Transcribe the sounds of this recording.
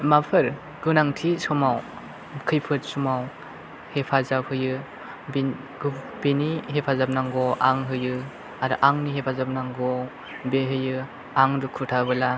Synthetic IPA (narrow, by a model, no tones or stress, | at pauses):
mapʰɯɾ | ɡɯnaŋtʰisɔmaw | kʰɯjpʰɯt̚sumaw | hepʰazap̚hɯjɯ | b | ɡ | b̥iniɦepʰazap̚naŋɡɔʔaŋɦɯjɯ | aɾɯʔaŋniɦepʰazap̚naŋɡɔ | beɦɯjɯ | aŋdɯkʰutʰabɯla